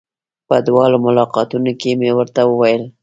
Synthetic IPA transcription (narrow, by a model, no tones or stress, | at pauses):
bəd̪wɑlomʊlɑqɑt̪unokemewəɾt̪awəwajəl